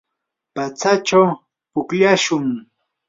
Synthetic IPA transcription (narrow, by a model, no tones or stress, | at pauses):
pat͡sat͡ʃaw | pʊkʎaʃʊŋ